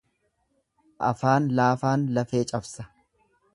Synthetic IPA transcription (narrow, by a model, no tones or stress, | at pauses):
ʔɐ̰faːnlaːfaːnlɐfe̞ːt͡ʃʼɐbsɐ̥